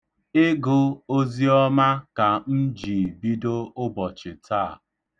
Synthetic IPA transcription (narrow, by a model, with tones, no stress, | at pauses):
ɪ˦ɡʊ˦o˦zi˦ɔ˦ma˦ka˨n̩˦d͡ʒi˨bi˦do˦ʊ˦bɔ˨t͡ʃɪ˨taː˦˨